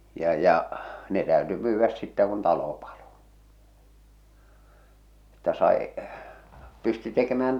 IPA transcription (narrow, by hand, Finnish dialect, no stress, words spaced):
jɑ jɑ ne tæøty myːʋːæs sitːæ kun tɑlo pɑlo etːæ sɑi pysty tekemæːn